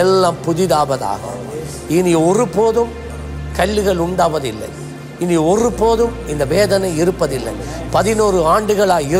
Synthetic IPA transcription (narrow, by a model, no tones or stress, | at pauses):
ɛlːaːmpʊðɪðaːʋɐða̰ːɣɐ̰ | ɪniɔrɯpoːðɯm | kɐɭːɯɣɐɭʊɳɖaːʋɐðɪlːɐ̰ɪ | ɪniɔrɯpoːðɯm | ɪnd̪ɐʋeːðɐnɐɪɪɾɯpːɐðɪlːɐ̰ɪ | pɐðɪnoːrɯaːɳɖɯɣɐɭaːɪ